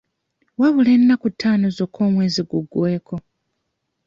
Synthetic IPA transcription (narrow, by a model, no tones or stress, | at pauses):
waβule̞nːakutʰːaːno̞zo̞kʰːo̞ːmwe̞ːziɡuɡwe̞ːkʰo̞